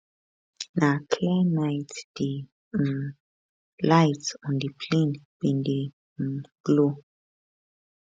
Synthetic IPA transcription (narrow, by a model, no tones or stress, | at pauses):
nakʰlɛnajtd̥i | lajtɔ̃ndipʰlinbendi | m̩ɡ̥lo